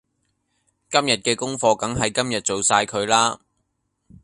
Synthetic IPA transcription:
kɐ˥mjɐ˨t̚kɛː˧kʊ˥ŋfɔː˧kɐ˨˥ŋɦɐ˨jkɐ˥mjɐ˨t̚t͡so˨wsaː˧jkʰɵ˨˧ɥlaː˥

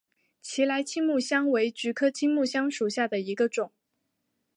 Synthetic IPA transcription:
t͡ɕʰi˧˥la˧˥ɪt͡ɕʰi˥ŋmu˥˩ɕjɑ˥ŋwe˧˥ɪt͡ɕy˧˥kʰɤ˥t͡ɕʰi˥ŋmu˥˩ɕjɑ˥ŋʂu˨˩ɕja˥˩d̪ə˩i˧˥ɡə˧ʈ͡ʂʊ˨˩˦ŋ

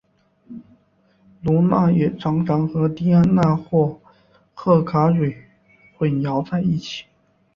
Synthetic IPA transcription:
lu˧˥na˥˩jɛ˨˩ʈ͡ʂɑ˧˥ŋʈ͡ʂɑ˧˥ŋxɤ˧˥t̪i˥˧a˥˧nna˥˧xwɔ˥˧ | kʰɤ˥˩kʰa˧˥ʂwe˨˩ɪ | xwe˥˨˩ɪjɑ˧˥ʊt͡sa˥˧ɪi˥˩t͡ɕʰi̥˨˩˦

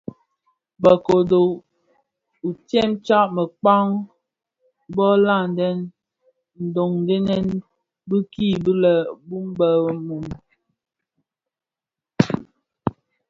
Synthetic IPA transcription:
bə˨ko˨do˨ | u˨tjɛ˦mt͡ʃa˦ʔmə˨k͡pa˦ŋ | bɔ˦la˦˨n˨dɛ˦n | n̩˨do˨ŋn˦de˦nɛ˦n | bə˦ki˦˨bə˦lɛ˨bu˦m˦bə˦bə˦mu˨m

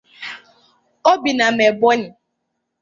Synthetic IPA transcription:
o˦bi˨na˨me˨bɔ˦ɲɪ˨

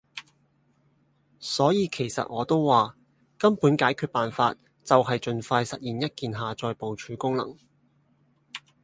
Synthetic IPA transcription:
sɔː˨˥jiː˨˧kʰe˨˩jsɐ̰˨t̚ŋɔː˨˧t̪o˥wːaː˨ | kɐ˥mpuː˨˥nkaː˨˥jkʰyː˨˧t̚paː˨nfa̰ː˧t̚ | t͡sɐ˨wɦɐ˨jt͡ʃɵ˨nfaː˧jsɐ˨t̚jiː˨˩njɐ˥t̚kiː˨nɦaː˨t͡sɔː˧jpo˨wt͡ʃʰyː˨˥kʊ˥ŋlɐ̰˨˩ŋ

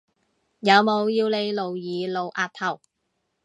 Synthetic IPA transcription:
jɐ˨˧wmo˨˧wjiː˧wle˨˧jlo˨wjiː˨˧lo˨˧wʔaː˧t̚t̪ʰɐ˨˩w

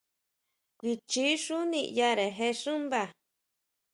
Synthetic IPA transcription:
kʷi˧t͡ʃi˦ʂu˦nḭ̃˧ja˧ɾe˨ɦe˧ʂũ˦mba˧˨

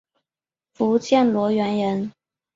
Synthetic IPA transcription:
fu˨˦t͡ɕʰjɛ˥˨nlwɔ˧˥ɥɛ˧˥nɻə˨˧˦n

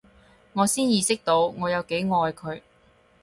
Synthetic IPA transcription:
ŋɔː˨˧siː˥njiː˨˧sɪ˥k̚t̪o˧wŋɔː˨˧jɐ˨˧wke˨˥jŋɔː˧jkʰɵ˨˧ɥ

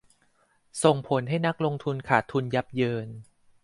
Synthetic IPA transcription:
so˨˩ŋpʰo˩˦nɦa˥˩jna˦˥k̚lo˧ŋt̪ʰu˧nkʰaː˨˩t̪ʰːu˧nja˦˥p̚jɤː˧n

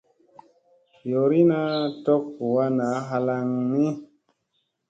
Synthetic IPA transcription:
jo˨ɾi˦na˦tɔ˦ku˨wa˦na˨˦ɦa˧la˧ŋni˦

